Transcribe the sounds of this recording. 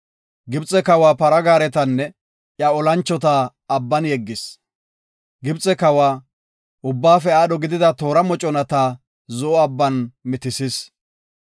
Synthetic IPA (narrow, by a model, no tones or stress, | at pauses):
ɡɪbt͡sʼɛkɐwaːpɐɾɐɡaːɾɛt̪ɐnːɛ | ʔjɐɔlɐnt͡ʃːɔt̪aː | ɐbːɐnjɛɡːɪs | ɡɪbt͡sʼːɛkɐwaː | ʊbːaːfɛaːɗɔɡɪd̪ɪd̪ɐt̪o̞ːɾɐmɔt͡ʃʼɔnɐt̪aː | zɔʔɔɐbːɐnmɪt̪ɪsɪs